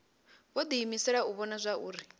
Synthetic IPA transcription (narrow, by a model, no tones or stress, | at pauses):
βɔd̪iɦimisɛɺauβɔnazʷaʔuːɾi